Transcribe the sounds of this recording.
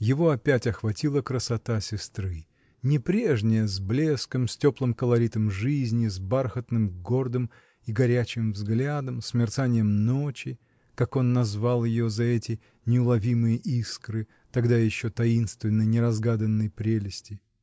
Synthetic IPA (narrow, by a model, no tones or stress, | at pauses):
jɪvo̞ɐpʲætʲɐxvɐtʲilˠəkɾəsɐt̪asʲɪst̪ɾɨ | nʲɪpɾʲe̞ʐnʲɪjəzblʲe̞skəmsʲtʲo̞plˠɨmkəlˠɐɾʲit̪əmʐɨzʲnʲɪzbarxət̪nɨmɡo̞rd̪ɨm | iɡɐɾʲæt͡ɕɪmvzɡlʲad̪əmsʲmʲɪrt̪sanʲɪjəmno̞t͡ɕɪ | kako̞nːɐzvalˠjɪjo̞zɐɛtʲɪ | nʲɪʊlˠɐvʲimɨjəʔiskɾɨ | t̪ɐɡd̪ajɪɕːot̪ɐinst̪vʲɪnːəjnʲɪɾɐzɡad̪ənːəjpɾʲelʲɪsʲtʲɪ